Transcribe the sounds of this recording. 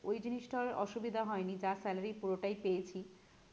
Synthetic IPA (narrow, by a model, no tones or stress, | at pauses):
ojd͡ʑiniʃʈoɾɔ̰ʃubid̪ʱaɦɔenid͡ʑasɛlaɾipuɾoʈajpejet͡ɕʰi